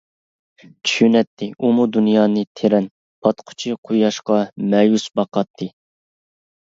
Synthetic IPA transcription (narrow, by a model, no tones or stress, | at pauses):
t͡ʃʰy̥ʃynɛt̪ʰːɪʔumud̪unjɑːnɨt̪ʰeɾɛn | pʰɑt̪qʰʊ̥t͡ʃʰiqʰujɑʃqɑmɛjusbɑqɑt̪ʰːɨ